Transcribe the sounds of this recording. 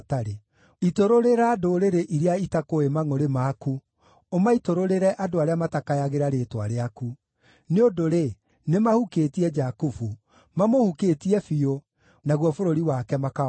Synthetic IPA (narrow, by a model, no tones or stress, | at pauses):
taɾe | itoɾoɾeɾaːdoɾeɾeʔiɾeaitakoemaŋoɾemaku | omaitoɾoɾeɾɛʔadoaɾeamatakajaɣeɾaɾeːtwa̰ɾeaku | neodoɾe | nemahuketiɛd͡ʒakufu | mamohuketiɛfio | naɣwɔfoɾoɾiwakɛmaka